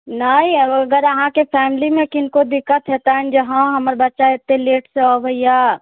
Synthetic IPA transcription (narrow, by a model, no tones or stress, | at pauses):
naĩəɡəɾəɦãkepʰɛːmɪlimẽkɪnkod̪ɪkːət̪ɦet̪aɦɛnd͡ʒəɦãɦəməɾbətːʃaet̪ːeleːʈseəbəja